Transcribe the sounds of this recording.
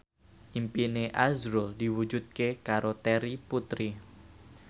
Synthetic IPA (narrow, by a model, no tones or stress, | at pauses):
ʔimpineʔazɾoldi̤wu̥d͡ʒud̪̚kekaɾot̪ɛɾiput̪ɾi